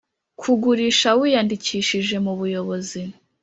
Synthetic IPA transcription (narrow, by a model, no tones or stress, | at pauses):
kʰuɡuɾiʃawiːjandiciːʃiʒe̞muβujo̞βo̞zi